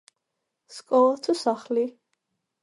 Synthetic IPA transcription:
skʼɔlˠat̪ʰusaχli

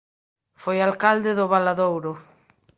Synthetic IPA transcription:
fojalkald̪eðʊβalaðowɾo

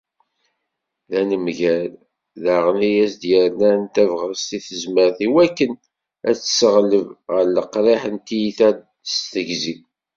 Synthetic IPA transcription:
ðænəmʝæl | ðaʁnijæsd̪jəɾnænt̪ævʁəst̪iθəzməɾθiwækːən | æt͡sːsəʁləvʁəɾləqɾˤiħənt̪ijiθæd | st̪əʝzi

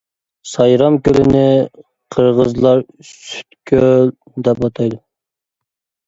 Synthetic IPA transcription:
sɑjɾɑmkʲølɪnɪ | qʰəɾʁəzlˠɑɾsy̥t̪kʲʰøl | d̪ɛpɑt̪ʰɑjd̪u

